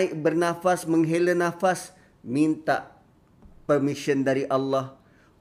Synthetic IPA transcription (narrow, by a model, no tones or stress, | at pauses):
ɪʔbərnafasməŋɦelənafas | mint̪a̰ʔ | pərmisiəndaɾiʔalːɑh